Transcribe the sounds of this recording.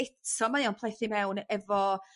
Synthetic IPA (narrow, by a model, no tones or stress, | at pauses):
ɪtʰɔmaiːɔnpʰlˠejθimɛwnɛvɔ